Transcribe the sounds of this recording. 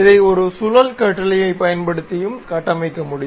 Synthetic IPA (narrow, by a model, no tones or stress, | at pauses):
ɪðɐɪɔɾɯsʊlɐlkɐʈːɐlɐjɐɪpːɐjɐnpɐɽɯt̪ːɪjɯmkɐʈːɐmɐɪkːɐmʊɽɪ